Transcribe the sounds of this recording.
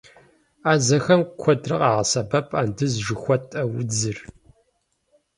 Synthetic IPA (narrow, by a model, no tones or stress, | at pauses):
aːzɐxɐmkʷʰɔdrɨqɑːʁɐsɐbɐpʼaːndɨzʒɪxʷɔtʰʼɐwʊd͡zɨr